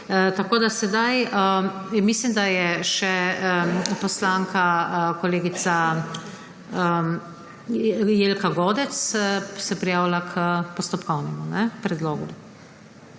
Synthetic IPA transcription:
t̪akoːd̪asɛd̪ajə | mislimd̪ajɛʃɛ | pɔslaːŋkakɔleːɡit̪sa | ə | jelkaɡoːd̪ɛt̪ssɛpɾijaːwlakʰəpɔst̪ɔpkɔwnɛmunɛpɾɛd̪loːɡu

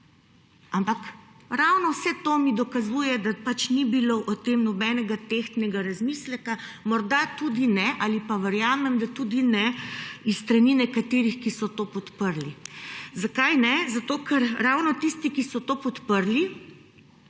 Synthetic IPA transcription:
ampakɾawnɔwsɛt̪omid̪ɔkazuːjɛd̪apat͡ʃnibiloʔɔt̪emnɔbɛnɛɡat̪ext̪nɛɡaɾazmislɛka | mɔɾd̪at̪ud̪inɛʔaːlipaʋəɾjaːmɛmd̪at̪ud̪inɛist̪ɾaninɛkat̪eːɾixkisɔt̪oːpɔt̪pəɾlizakajnɛzat̪oːkɛɾɾawnɔt̪ist̪ikisɔt̪oːpɔt̪pəɾli

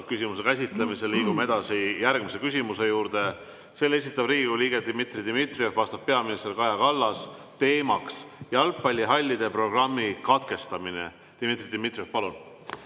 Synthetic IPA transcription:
kysʲimus̬e̞kæs̬ʲit̪lemise̞lːiːɡ̥umee̞d̪̥ɑsijærɡ̥mise̞kys̬ʲimuse̞juːɾd̪̥e̞ | se̞le̞s̬ʲit̪ːˑɑb̥riːɡikuliːɡ̥et̪imit̪rid̪imit̪riefvɑst̪ɑb̥̚pe̞ɑminist̪ekɑjɑkɑlːɑs | t̪e̞ːmɑksjɑɑlpːɑlʲːiɦɑlʲːid̪e̞pro̞ɡrɑmːikɑt̪ke̞st̪ɑmine̞̰ | t̪imit̪rid̪imit̪riefpɑlun

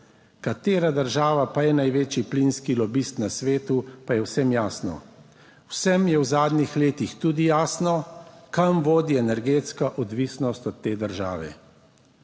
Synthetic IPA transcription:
kat̪eːɾad̪əɾʒaːʋapajɛnajʋeːt͡ʃiplinskilɔbist̪nasʋeːt̪upajɛwsɛmjaːsnɔ̰ | wsɛmjɛwzaːd̪nixleːt̪ixt̪uːd̪ijaːsnɔkamʋoːd̪iɛnɛɾɡeːt̪skaʔɔd̪ʋisnɔst̪ɔt̪ːeːd̪əɾʒa̰ːʋɛ̰

